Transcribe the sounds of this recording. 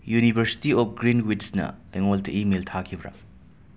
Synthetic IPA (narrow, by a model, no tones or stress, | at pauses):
junibʱɐɾsi̥tiɔp̚ʰɡɾinwidsnɐ̰eŋoltɐʔimeltʰakʰibɾa̰